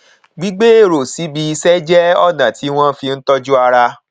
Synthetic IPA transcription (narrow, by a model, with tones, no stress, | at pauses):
ɡ͡bi˦ɡ͡be˦e˦˨ɾo˨si˨˦bi˧˦i˧sɛ˦d͡ʒɛ˦ɔ˦˨nã˨ti˨˦w̃ɔ̃˦fi˧n̩˦tɔ˦d͡ʒu˦a˧ɾa˧